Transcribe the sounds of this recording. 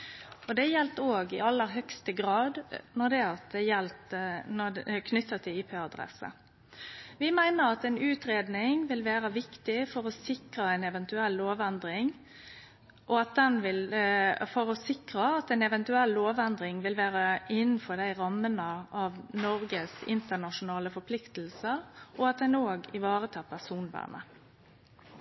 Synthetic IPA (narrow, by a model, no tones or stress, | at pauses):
ɔd̪ɛjɛlt̪oːɡɪɑlːəɾɦœkst̪əɡɾɑːd̪nɔɾd̪ɛɑt̪̚d̪ɛjɛlt̪nɔkʰnʏt̪ːət̪ʰɪliːpʰeːɑd̪ɾɛ̰sə̰ | ʋɪmæɪnəɾɑt̪ɛnʉːt̪ɾeːd̪nɪŋʋɪlʋæːɾəʋɪkt̪ɪfɔɾɔsɪkɾəɛɪnɛʋɛnt̪ʉɛlːoːʋɛnd̪ɾɪŋ | ʔɔɑt̪̚d̪ɛnʋɪlfɔɾɔsɪkʁəɑt̪ɛnɛʋɛnt̪ʉɛlːoːʋɛnd̪ʁɪŋʋɪlʋæːʁəɪnn̩fɔɾd̪æɪʁɑmːənəɑʋnɔɾɡəsɪ̰nt̪ənɑʂʊnɑːləfɔɾpʰlɪkt̪l̩səʁɔɑt̪̚d̪ɛnoːɡɪʋɑːʁət̪ʰɑːpʰæsuːnʋæ̰ːɳə̰